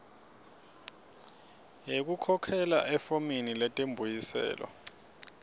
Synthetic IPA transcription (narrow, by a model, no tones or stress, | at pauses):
jek̬ukʰɔkʰɛla̰ʔɛfominilɛtʼembʱujisɛ̰ːlɔ̰